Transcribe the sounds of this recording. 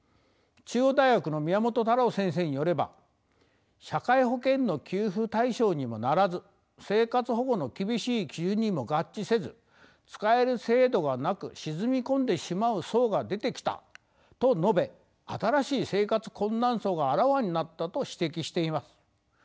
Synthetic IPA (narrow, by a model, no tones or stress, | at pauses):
t͡ɕɨːod̪aiɡakɯ̟no̞mʲiamo̞t̪o̞t̪aɾaosẽ̞ɰ̃s̬e̞ːɲ̟ijo̞ɾe̞ba̰ | ɕakaiɦo̞kẽ̞nːo̞kʲɨːɸɯt̪aiɕo̞ːɲ̟imo̞naɾazɨ | se̞ːkat͡sɨɦo̞ɡo̞no̞kʲibʲiɕiːkʲɯɲ̟ːimo̞ɡat͡ɕt͡ɕːise̞zɨ | t͡sɨ̥kae̞ɾɯ̟se̞ːd̪o̞ɡanakɯ̟̰ɕizɨmʲikõ̞nd̪e̞ɕimaɯ̟so̞ːɡad̪e̞t̪e̞kʲi̥t̪a̰ | t̪o̞no̞be̞ | at̪aɾaɕiːse̞ːkat͡sɨ̥kõ̞nːãɰ̃so̞ːɡaːɾaβaɲ̟inat̪ːat̪o̞ɕi̥t̪e̞kʲiɕi̥t̪e̞imasɨ̥